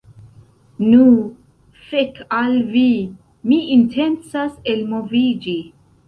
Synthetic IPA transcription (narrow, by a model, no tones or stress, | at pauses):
nu | fekalvi | miːntʰe̞nt͡sase̞lmo̞vid͡ʒi